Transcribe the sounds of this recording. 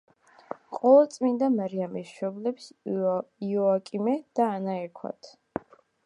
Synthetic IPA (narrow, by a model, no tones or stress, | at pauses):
qʼɔɛt̪sʼmind̪amaɾiamisʃɔblɛps | iɔakʼimɛd̪̥aːnaɛkʰwa̰t̪ʰ